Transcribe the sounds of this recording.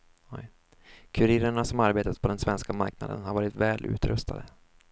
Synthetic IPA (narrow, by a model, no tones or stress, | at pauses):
ɔj | kʰɵɾɪɾəɳasɔmaɾbeːt̪at̪̚pʰɔd̪ɛnsvɛnskama̰ɾkna̰d̪ə̰nhaɾvɑːɾɪt̪vɛːlʔʉ̟̰ːt̪ɾɵ̰st̪ʰa̰d̪ə